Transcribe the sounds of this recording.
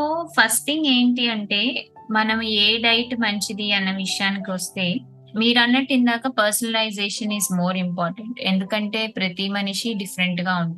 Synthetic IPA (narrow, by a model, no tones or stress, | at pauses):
sopʰɐsʈiŋɡe̞ːɳʈiːɐɳʈe̞ː | mɐnɐmeːɖɐjʈmɐɲt͡ʃid̪iɐnːɐʋiʂjaːnik̬iʋɐst̪e̞ː | miːɾɐnːɐʈːind̪aːkɐpɐɾsɐnɐlɐjd͡ʒeːʂɐniːzmoːɾimpaːɾʈeɳʈe̞̰nd̪ukɐɳʈe̞ːpɾɐt̪imɐniʂiɖifʰɐɾeɳʈɡaːuɳd̪i